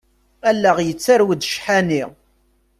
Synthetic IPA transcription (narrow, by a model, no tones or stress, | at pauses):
ælːæʁjət͡sːaɾwəd̪ʃħæni